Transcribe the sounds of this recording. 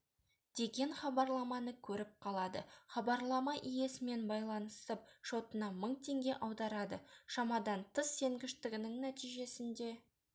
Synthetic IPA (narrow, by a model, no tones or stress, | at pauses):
d̪̥e̞ɡʲe̞ɴnχɑbɑɾlˠɑmɑnəkʲʰɵɾɪp̚qʰɑlˠɑd̪ə̰χɑbɑɾlˠɑmɑʔije̞sɪme̞nbɑjlˠɑnəsəp̚ʃo̞t̪ənɑməɴt̪ʰe̞ŋɡʲe̞ʔɑwd̪ɑɾɑd̪ə̰ʃɑmɑd̪ɑnt̪ʰəsːe̞ŋɡʲɪʃt̪ɪɡʲɪnɪŋnæt̪ijʒe̞sɪnd̪e̞